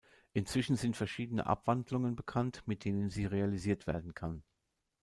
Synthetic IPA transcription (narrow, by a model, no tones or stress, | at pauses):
ʔɪnt͡sv̥ɪʃn̩zɪntfɛɐʃiːdənə̰ʔa̰pv̥andlʊŋənbəkʰantmɪt̚d̥eːnənziːʁealiziːɐtv̥ḛːɐdn̩kʰan